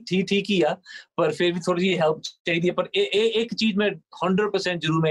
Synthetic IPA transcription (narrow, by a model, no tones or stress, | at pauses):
ʈʰiːk̚ʈʰiːkɦijaːpɐɾfɪɾbʱit̪ʰoːɾɽisieɦɛlpt͡ʃaːɦid̪iapɐɾeʔeeːkt͡ʃiːzmẽhɐ̃ɳɖɾəɖ̚pɐɾsɛ̃ɳʈ̚d͡ʒʊɾuːɾmẽ